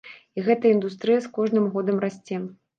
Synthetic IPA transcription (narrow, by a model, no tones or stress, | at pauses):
iɣɛt̪ɐind̪ust̪ɾɨjɐskɔʐnɨmɣɔd̪ɐmrasʲt͡sʲɛ